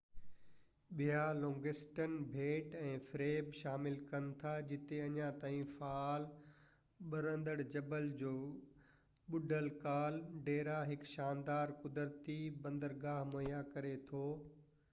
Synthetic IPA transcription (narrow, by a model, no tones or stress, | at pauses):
ɓijalõːŋɡɪsʈənbʱeːʈɛ̃ːfɾeːbʃaːmɪlkɐnɪ̆t̪ʰad͡ʑɪt̪eɐɲãt̪aːɦĩfaaːl | ɓɐɾə̃nd̪əɽd͡ʑɐbəld͡ʑoː | ɓʊɖʱəlkaːlɖeːɾaɦɪkʃaːnd̪aːɾkʊd̪əɾt̪ibɐ̃nd̪əɾɡaːɦmɐjakɐɾet̪ʰoː